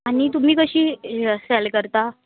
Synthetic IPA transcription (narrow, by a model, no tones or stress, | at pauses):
aɽ̃it̪um̤iːkəɕiːsɛlkəɾt̪a